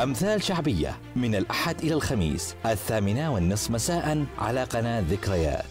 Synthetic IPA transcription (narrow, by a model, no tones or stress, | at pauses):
ʔamθaːlʃaʕbɪjːa̰ | mɪnalʔaħad̪ʔɪlalxamḭːsʔaθːaːmɪnawɪnːɨsˤːmasaːʔanʕa̰laːqɑnaðɪkɾaja̰ːt̪